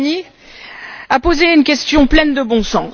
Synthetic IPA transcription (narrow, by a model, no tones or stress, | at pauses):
ni | apozeynkʲɛst̪jɔ̃plɛnd̪əbɔ̃sɑ̃